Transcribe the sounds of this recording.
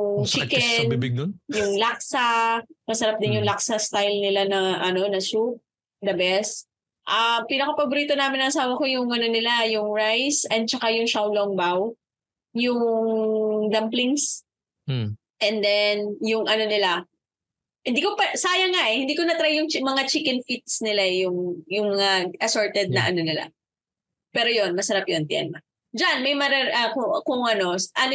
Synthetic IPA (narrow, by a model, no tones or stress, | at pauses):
ʊŋt͡ʃɪkɛnjʊŋlak̚sɐmɐsɐɾap̚d̪ɪnjʊŋlaksɐst̪ajlnɪlanɐʔɐno̞nɐsup̚ | d̪ɐbɛs | ʔɐpinɐkɐpɐbʊɾiːt̪onaːmɪnɐŋɐsaːwɐko̞jʊŋʔɐno̞nɪlajʊŋɹajsɛnd̪̚t͡ʃɐkajʊŋʃawloŋbaw | jʊŋd̪ɐmplɪŋs | ʔɛnd̪ɛnjʊŋʔɐno̞nɪla | hɪnd̪iːkopɐsaːjɐŋaʔɛhɪnd̪iːkonɐt̪ɾajʊŋmɐŋat͡ʃɪkɛnfit̪̚snɪlaɛjʊŋjʊŋmɐŋaʔɐsoɹt̪ɛd̪̚nɐʔɐno̞nɪla̰ | pɛːɾo̞jo̞nmɐsɐɾapjont̪ɪʔɐ̰nmɐ | d͡ʒanmɐjmɐɾɛʔɐkʊkʊŋʔɐno̞sʔɐno